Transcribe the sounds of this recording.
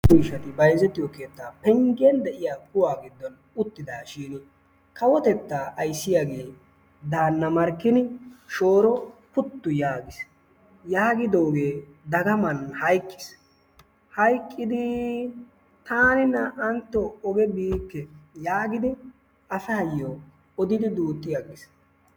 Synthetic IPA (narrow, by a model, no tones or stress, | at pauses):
iːʃɐt̪ɪbɐjzɛt̪ːɪjɔkeːt̪ːaːpɛŋɡɛnd̪ɛʔɪjaːkʊwaːɡɪd̪ːɔn | ʊt̪ːɪd̪aːʃiːnɪ | kɐwɔt̪ɛt̪ːaːʔɐjsːɪjaɡe̞ː | d̪aːnːɐmɐɾkːɪnɪʃo̞ːɾɔpʊt̪ːʊjaːɡɪs | jaːɡɪd̪o̞ːɡe̞ː | d̪ɐɡɐmɐnhɐjkʼːɪ̥s | hɐjkʼːɪd̪ɪ | t̪aːnɪnːɐʔɐnt̪ːɔɔɡɛbiːkːɛjaːɡɪd̪ɪ | ɐsɐɐjːo | ɔd̪ɪd̪ɪd̪uːt̪ʼːɪjaɡɪs